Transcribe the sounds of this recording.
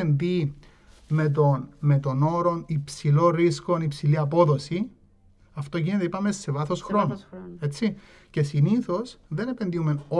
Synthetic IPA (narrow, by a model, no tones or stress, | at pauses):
endi | me̞t̪̬onme̞t̪o̞no̞ɾo̞nipsilo̞ɾiskonipsiliɐpo̞ðo̞si | ɐft̪o̞ʝinet̪eipɐmese̞vɐθo̞sxɾonoe̞t͡sːi | ce̞siniθo̞sðe̞ne̞pe̞nd̪iumeno